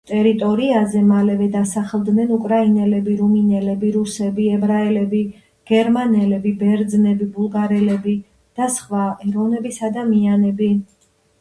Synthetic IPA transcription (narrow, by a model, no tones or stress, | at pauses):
t̪ʼɛɾit̪ʼɔɾiazɛmalɛvɛd̪asaχlˠd̪nɛnukʼɾainɛlɛbiɾuminɛlɛbiɾusɛbiɛbɾaɛlɛbi | ɡ̥ɛɾmanɛlɛbibɛɾd̪znɛbibulˠɡaɾɛlɛbi | d̪̥asχwaɛɾɔnɛbisad̪amianɛbi